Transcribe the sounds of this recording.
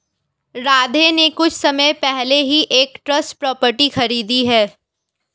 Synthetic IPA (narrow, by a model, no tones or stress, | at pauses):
ɾaːd̪ʱenekʊt͡ʃʰsɐməjpɛɦleɦiʔeːkʈɾɐsʈpɾɔːpəɾʈixɐɾiːd̪iɦɛː